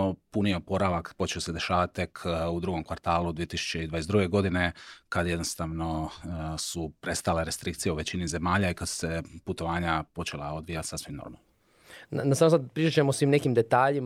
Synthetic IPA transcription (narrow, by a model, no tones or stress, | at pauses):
opunieopo̞ɾaʋakpo̞t͡ʃeose̞d̪e̞ʃaːʋat̪̚t̪ːe̞kʰud̪ɾuɡo̞mkʋaɾt̪aːlud̪ʋije̞t̪isu̥t͡ɕe̞id̪ʋaːjesd̪ɾuːɡe̞ɡo̞d̪ine̞kad̪jed̪nost̪aʋno̞supɾe̞st̪aleɾe̞st̪ɾik̚t̪sijeuʋe̞t͡ɕinize̞maːʎaikad̪̥seput̪o̞ʋaːɲapo̞t͡ʃe̞la̰o̞d̪ʋijat̪sasʋimno̰ɾma̰l | nnasamosad̪pɾit͡ʃat͡ɕemosʋimne̞kimd̪et̪aːʎim